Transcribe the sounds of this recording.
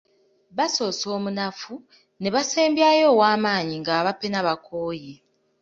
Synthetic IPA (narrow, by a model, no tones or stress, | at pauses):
βaso̞ːso̞ːmunafu | ne̞βaseːmbjajo̞ːwaːmaːɲiŋɡaːβapenaβakʰoːje